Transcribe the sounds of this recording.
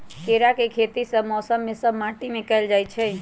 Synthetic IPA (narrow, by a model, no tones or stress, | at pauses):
keɾakekʰet̪isəbmɔːsəmːẽsəbmãʈimẽkəjld͡ʒajt͡ʃʰe